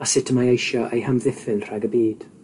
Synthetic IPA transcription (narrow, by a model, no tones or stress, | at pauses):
asɪtʰəmajejʃɔʔejhəmvɪθɪlr̥ɛɡəbiːd̥